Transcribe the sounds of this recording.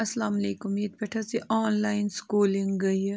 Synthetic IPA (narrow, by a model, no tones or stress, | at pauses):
ɐslaːmɐleːkʊmiːd̪̚pɐʈʰasiʔaːnlaːɪnskuːliŋɡɡɐj